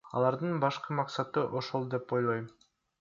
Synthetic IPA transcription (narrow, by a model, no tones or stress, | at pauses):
ɑ̰lˠɑɾd̪ɯnbɑʃqɯmɑqsɑt̪ɯʔoʃolˠd̪e̞po̞jlˠojm